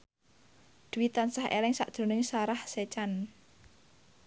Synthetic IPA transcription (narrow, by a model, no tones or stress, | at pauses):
d̪̥uwit̪ansahʔḛlɪŋsa̰ʔd̥ʒ̥o̤nɪŋsaɾahset͡ʃan